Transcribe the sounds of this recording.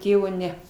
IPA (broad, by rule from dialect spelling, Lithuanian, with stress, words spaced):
ˈtʲeːʋoː ˈnʲɛ